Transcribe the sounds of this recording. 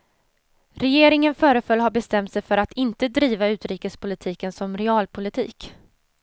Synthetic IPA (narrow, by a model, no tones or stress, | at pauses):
ɾɛjeːɾɪŋənfœːɾəfœlːɦaɾbɛst̪ɛmt̪sɛjfœɾat̪ʰɪnt̪əd̪ɾiːvaʉ̟ːt̪ɾiːkəspʰʊlɪt̪ʰiːkənsɔmɾɛɑːlpʰʊlɪt̪ʰḭːk